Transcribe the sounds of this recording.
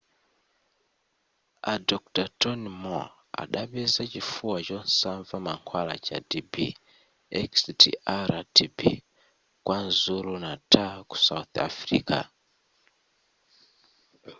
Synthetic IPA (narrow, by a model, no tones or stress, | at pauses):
adɔk̚tatɔnimɔ̰ | a̰ɗaɓɛzat͡ʃifuwat͡ʃɔnsaɱvamaŋkʰwala̰t͡ʃa̰dibḭ | ɛkstḭʔaɾatʰibḭ | kwanzuɾunatʰaku̥sauθa̰fɾḭːka̰